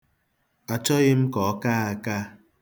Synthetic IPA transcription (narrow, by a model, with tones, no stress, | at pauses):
a˨t͡ʃɔ˦ɣɪ˦m̩˦kɔ˨˦ka˦a˨ka˦